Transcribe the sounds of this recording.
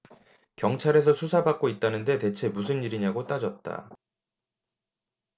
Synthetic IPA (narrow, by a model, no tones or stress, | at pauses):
kjʌŋt͡ɕʰaɾe̞s̬ʰʌsʰusʰabak̚k͈oit̚t͈anɯnde̞te̞t͡ɕʰe̞mus̬ʰɯniɾiɲaɡot͈ad͡ʑʌt̚t͈a̰